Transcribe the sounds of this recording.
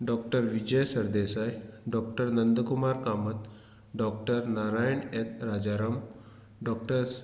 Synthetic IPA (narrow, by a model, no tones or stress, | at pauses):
ɖɔkʈəɾʋid͡ʑəjsəɾd̪esajɖɔk̚ʈəɾnənd̪əkumaɾkamət̪ | ɖɔkʈəɾnaɾajəɳet̪ɾad͡ʑaɾəm | ɖɔkʈəɾs